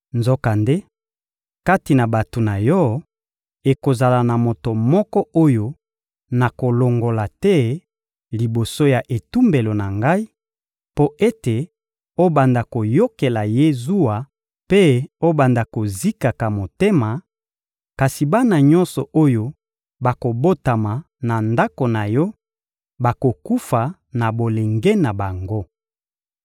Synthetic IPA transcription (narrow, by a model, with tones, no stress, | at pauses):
nzo˦ka˨nde˦ | ka˦ti˨na˨ba˨to˨na˨jɔ˦ | e˨ko˨za˨la˨na˨mo˨to˨mɔ˦kɔ˦o˦jo˦ | na˨ko˨lo˨ŋɡo˨la˨tɛ˦ | li˨bo˨so˦ja˨ʔe˨tu˦mbe˨lo˨na˨ŋɡa˦i˦ | po˦ʔe˦te˨ | o˦ba˨nda˨ko˨jo˦ke˨la˨je˦zu˦a˨ | pe˦o˦ba˨nda˨ko˨zi˦ka˨ka˨mo˨te˦ma˨ | ka˨si˨ba˦na˨ɲɔ̃˦nsɔ˨ʔo˦jo˦ | ba˨ko˨bo˦ta˨ma˨ | na˨nda˦ko˨na˨jɔ˦ | ba˨ko˨ku˦fa˨ | na˨bo˨le˨ŋɡe˦na˨ba˨ŋɡo˦